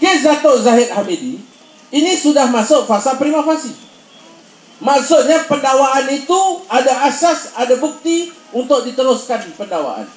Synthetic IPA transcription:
kezat̪oʔzaɦɪt̪̚hamedi | inisudahmasʊʔ̚fasalpɾimafasi | maʔsʊʔ̪̚ɲapəndawaʔanit̪uadaʔasasadabuk̚t̪i | unt̪ʊk̚dit̪əɾʊskanpəndawa̰ʔa̰n

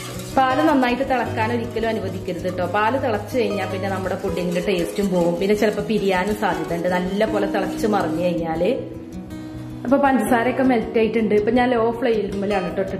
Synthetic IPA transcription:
paːlunɐnːaːjiʈːɨt̪ɐɽɐkːaːno̞ɾikʲːɐlumɐnuʋɐd̪ʱikʲːɐɾuðiʈːo̞ːpaːlɐt̪iɭɐt͡ɕːɨkɐɻiɲːaːlpinːenɐmːuɽe̞kuɖjɐŋːɐluʈejrtːumpo̞ːɣumpinːet͡ɕilɐpːoːpiɾijaːnumsaːd̪ʱjɐðɳɖɨnɐlːɐpoːlet̪iɭɐt͡ɕːɨmɐrɐɲːɨkɐjɲːaːlɨ | ɐpːo̞ːpɐnd͡ʑɐsaːɾokːemeltːaːjitːuɳɖɨpːoːɲaːno̞ːfɭɐjilumːɐlaɳiʈːoʈːɨ

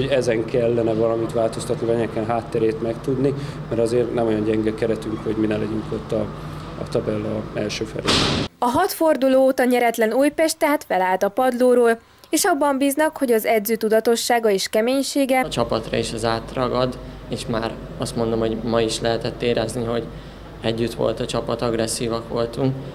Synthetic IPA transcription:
oɟɛzɛŋkɛlːɛnɛvɒlɒmit̪ʋaːlt̪o̞st̪ɒt̪nivɛɲɛkɛnɦaːt̪ːɛɾeːt̪mɛkt̪ud̪ni | mɛɾɒzeːrnɛmo̞jɒɲɟɛŋɡɛkɛɾɛt̪yŋkho̞ɟminɛlɛɟyŋkot̪ːɒ | ɒ̰t̪ɒbɛlːɒɛ̰lʃøːfɛ̰lḛːbɛnɒɦɒt̪fo̞rd̪uloːot̪ɒɲɛɾɛt̪lɛnuːjpɛʃt̪aːt̪fɛlaːlt̪ɒpɒd̪loːɾoːl | eːʃɒbːɒmbiːznɒkho̞ɟɒzɛd̪zøːt̪ud̪ɒt̪o̞ʃːaːɡɒeːʃkɛmeːɲʃeːɡɛt͡ʃɒpɒt̪rɒ̰iʃɛzaːt̪rɒɡɒd̪ | eːʃmaːɾ | ɒst̪mo̞nd̪o̞mɦo̞ɟmɒiʃlɛɦɛt̪ɛt̪ːeːɾɛzniɦo̞ɟ | ɛɟːyt̪ʋo̰lt̪ɒt͡ʃɒpɒt̪ɒɡrɛsːiːvɒkʋo̞lt̪uŋk

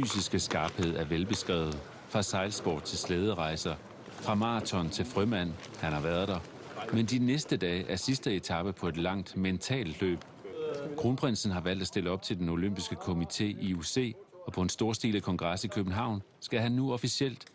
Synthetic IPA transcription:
fy̰ːsisɡ̥əsɡ̥ɑ̈ːb̥he̝ð̰ˠæɐʋelb̥e̝sɡ̥ʁɛ̰ːʊð̩ˠ | fʁɑ̈sɑ̈ɪlsb̥ɒ̰ːd̥̚t͡sʰe̝lsleːð̞ˠəʁɑ̈ɪsɐ | fʁɑ̈mɑ̈t͡sʰɒ̽nt͡sʰe̝lfʁymæn̰ | hænhɑ̈ʋæɐð̞ˠd̥ɑ | mend̥inesd̥əd̥ɛ̰ːʔæɐsisd̥əe̝t͡sʰɑ̈b̥əpʰɒ̽e̝d̥lɑ̈ŋ̰d̥ment͡sʰɛ̰ːldlø̰ːb̥ | ɡ̥ʁunpʰʁen̰sn̩ɦɑ̈ʋæl̰d̥æsd̥e̝ləɒ̽b̥̚t͡sʰe̝ld̥eno̝løm̰b̥isɡ̥əkʰo̝mit͡sʰe̝̰ːʔiuse̝̰ːɒ̽pʰɒ̽ensd̥o̝ɐsd̥ḭːləkʰɒ̽ŋɡ̥ʁɑ̈sikʰøb̥n̩ɦɑ̈ʊ̰n | sɡ̥æɦænːuɒ̽fisiel̰d̥

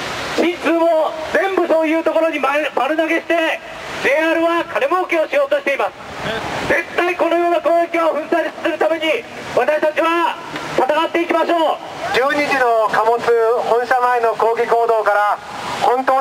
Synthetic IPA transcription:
ɕĩnt͡sɨːmod͡zẽ̞mbɯ̟so̞ːjɯ̟ːt̪oko̞ɾo̞ɲ̟immaɾɯ̟naɡe̞ɕi̥t̪e̞ | d͡ʑeaːɾɯ̟βakʰaɾemokʲeoɕijo̞ːt̪o̞ɕi̥t̪e̞imasɨ̥zẽ̞t̪ːaiko̞no̞joːnakoːekʲioɸɯ̟̃nsaitɨ̥sɨɾɯ̟t̪ame̞ɲ̟i | βat̪aɕi̥t̪at͡ɕiβa | t̪at̪aɡat̪ːe̞ikʲimaɕoː | d͡ʑɨːɲiʑino̞kamo̞t͡sɨhõɰ̃ɕamaeno̞ko̞ːɡʲiko̞ːd̪o̞ːkaɾa | hõ̞nt̪oː

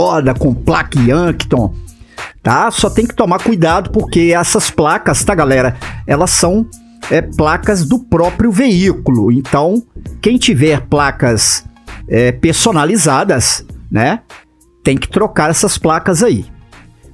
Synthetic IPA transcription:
ɔd̪ɐkõplakiɐ̃kt̪õ | t̪asɔt̪ẽj̃kɪ̥t̪omaɾkujd̪ad̪ʊpoɾkeɛsɐsplakɐst̪aɡalɛɾɐɛlɐsɐ̃w̃ | ɛplakɐzd̪ʊpɾɔpɾjʊveikulʊẽnt̪ɐ̃w̃kẽj̃t͡ʃivɛɾplakɐs | ɛpeɾsonalizad̪ɐsnɛ | t̪ẽj̃kɪ̥t̪ɾokaɾɛsɐsplakɐzai

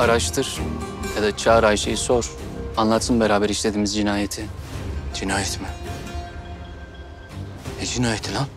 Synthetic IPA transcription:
aɾaʃt̪ʰɯɾ̥jad̪at͡ʃʰaːɾajʃejso̞ɾ̥anlˠat̪ʰɯnbeɾaːbɛɾiʃlʲe̞d̪iːmizd͡ʒinaːjet̪ʰid͡ʒinaːjɛt̪mɪ | ed͡ʒinaːjet̪ʰilan

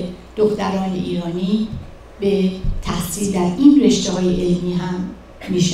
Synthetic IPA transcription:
d̪̥oxt̪æɾɒːnḛʔiːɾɒːniː | be̞t̪ʰæhsiːld̪æɾinre̞ʃt̪eɦɒːjeʔelmiːɦæmː | iʃe

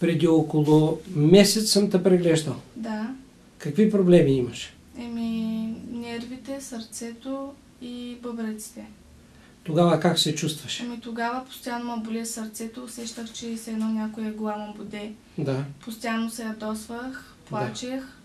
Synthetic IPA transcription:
pɾɛd̪iɔkolˠomɛsɛt̪ssəmt̪ɐpɾɛɡlɛʒd̪əlˠd̪a | kɐkvipɾoblɛmiiməʃ | ɛminɛɾvit̪ɛsɐɾt̪sɛt̪o | ibəbɾɛt̪si̥t̪ɛ | t̪oɡavəkaksɛt͡ʃust̪vɐʃɛmit̪oɡavəpʊ̥st̪ʲjanomɐbʊlʲiɛsɐɾt̪sɛt̪oːsɛʃt̪əxt͡ʃɛsɛnɔnʲakojɛɡʊlˠamɐmbod̪ɛ | d̪apʊst̪ʲjanːosɛjɐd̪ɔsvəx | plˠaat͡ʃex

